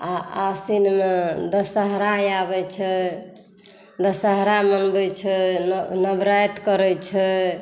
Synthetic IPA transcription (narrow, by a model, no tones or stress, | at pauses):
aasinmed̪əsəɦɾajabɛt͡ʃʰɛ | d̪əsəɦɾamənbɛt͡ʃʰɛnnəbɾajt̪kəɾɛt͡ʃʰɛ